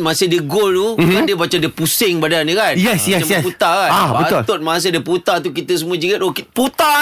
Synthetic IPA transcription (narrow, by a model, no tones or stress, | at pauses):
mãsɪdəɡoltuadiəbat͡ʃadəpusɪŋbadanikanjɛsjɛaɛsput̪akanbaət̪ʊlt̪ʊt̪̚mãs̬ediəput̪at̪̬ukit̪əs̬əmuəd͡ʒiɡət̪okit̪put̪a